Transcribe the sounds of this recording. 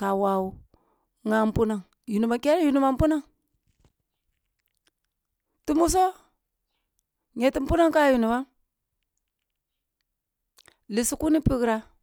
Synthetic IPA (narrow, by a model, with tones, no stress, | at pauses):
ka˨wa˨wu˨ | ŋa˦m˦pu˦na˨ŋ | ju˨nu˨ma˨ke˦ɾju˨nu˨ma˨m̩˦pu˦na˦˨ŋ | ti˦mu˦s̬o˦ | ɲɛ˨ti˦m̩˦pu˦na˦ŋka˦˨ju˨nu˨wa˦ | li˨si˦ku˦ni˦pi˦kɾa˦